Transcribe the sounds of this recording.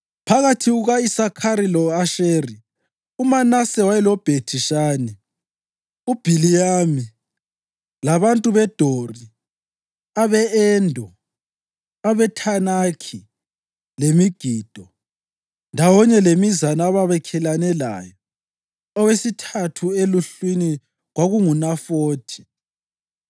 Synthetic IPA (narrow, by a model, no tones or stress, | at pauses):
pʰaɣatʰiɣuɣaisakʰaɾilɔaʃeri | umanasɛwajɛlɔb̥ʱetʰiʃaːnɛ | ub̥ʱilijami | laβantʼuβɛd̥ʱori | aβɛɛndʱɔ | aβɛtʰanaːkʰi | lemiɡ̥ʱid̥ʱɔ | ndʱawɔɲɛlemizanaaβaβɛkʰɛlanɛla̰ːjɔ | ɔwesitʰatʰueluɬwini | ɣwaɣuŋunafoːtʰi̥